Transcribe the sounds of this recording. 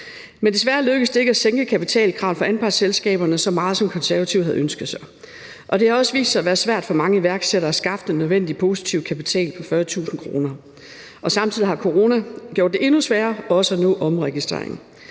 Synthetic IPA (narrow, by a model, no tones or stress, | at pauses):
mend̥e̝s̬ʋæɐløɡ̥əsd̥e̝eɡəæseŋɡ̥əkʰæpit͡sʰɛ̰ːlkʰʁɑ̈ʊfɒ̽ænb̥ɑ̈ɡ̥selsɡ̥ɛ̰ːb̥ɐnəsɒ̽mɑ̈ːð̞̩ˠsɒ̽mkʰɒ̽nsæɐʋæt͡sʰiʊhæð̩ˠønsɡ̥ð̩ˠsɑ̈ɪ | ʔɒ̽d̥e̝hɑ̈ɒ̽səʋḭːssɑɪæʋæːɐsʋæɐ̰d̥fɒ̽mɑ̈ŋəiʋæɐɡ̥seɾɐæsɡ̥ɑ̈fd̥enøðˠen̰d̥ipʰo̝si̥t͡sʰiʊ̥kʰæpit͡sʰɛ̰ːlpʰɒ̽fɶɐt͡sʰṵːsn̩kʰʁo̝ːnɐ | ʔɒ̽sɑ̈mt͡sʰið̰ˠihɑ̈kʰo̝ʁo̝ːnæɡjo̰ɐd̥ːeʔe̝nusʋæːɐɒ̽səænɔ̰̽ʔɒ̽mʁɛɡ̥isd̥ʁḛɐeŋn̩